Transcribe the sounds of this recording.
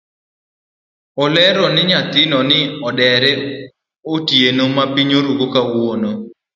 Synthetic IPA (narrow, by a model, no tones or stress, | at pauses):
ɔlɛɾɔnɪɲat̪ɪnɔnɪɔdɛɾɛ | otjenomabiɲoɾuɡokawono